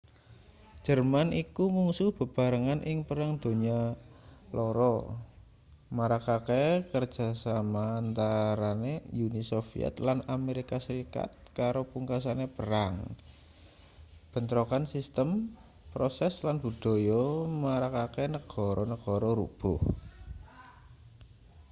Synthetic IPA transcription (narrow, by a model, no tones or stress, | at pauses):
d̥ʒ̥ərmanikumuŋsuhb̥ə̤b̥a̤ɾəŋanʔɪŋpəɾaŋd̪̥o̤ɲa | loɾɔ̰ | maɾakakekər̥d͡ʒ̥a̤samant̪aɾanejunisofḭɛ̰t̪lanameɾikasəɾika̰t̪̚kaɾopuŋkasanepəɾaŋ | b̥ə̤nt̪ɾokansist̪əm | pɾosɛslanb̥ṳd̪̥o̤jɔmaɾakakenəɡ̥ɔ̤ɾɔnəɡ̥ɔ̤ɾɔɾṵb̥ʊh